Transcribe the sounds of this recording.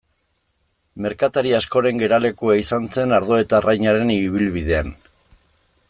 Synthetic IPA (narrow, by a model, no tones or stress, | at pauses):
me̞ɾkat̪aɾiasko̞ɾe̞ŋɡe̞ɾale̞kuaisant͡se̞naɾðo̞et̪arajɲaɾe̞niβ̞ilβiðe̞an